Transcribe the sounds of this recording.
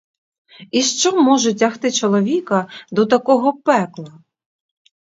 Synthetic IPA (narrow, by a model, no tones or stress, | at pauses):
iʃt͡ʃɔmːɔʒɛtʲɐxt̪ɪt͡ʃɔlˠɔʋʲikɐd̪ɔt̪ɐkɔɦɔpɛklˠɐ